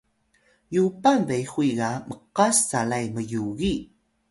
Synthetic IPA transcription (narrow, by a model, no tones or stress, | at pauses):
jupanbejxuiɡaməqasːalajməjuɣi